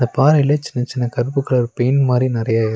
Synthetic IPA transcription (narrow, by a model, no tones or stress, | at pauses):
d̪ɐpaːɾɐɪlːɐt͡ʃːɪnːɐt͡ʃɪnːɐkɐɾɯpːɯkːɐɭɐɾɯpɐjɪnmaːd̪ɾinɪɾɐjaːɪɾ